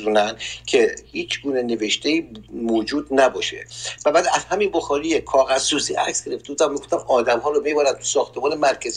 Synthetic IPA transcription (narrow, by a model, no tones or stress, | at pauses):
zunænd̪kʰe̞hiːt͡ʃʰɡuːneneveʃt̪ʰeiːmoːd͡ʒuːd̪næbɒːʃḛvæbæːd̪æz̥hæminboxɒːɾiːjekʰɒːɣæzːuːsḭːʔæksɡʲe̞ɾeft̪euːd̪æmiɡoft̪æmɒːd̪æmɦɒːɾomibɒɾænt̪ʰu̥sɒːxt̪ʰemɒːnemæɾcʰæz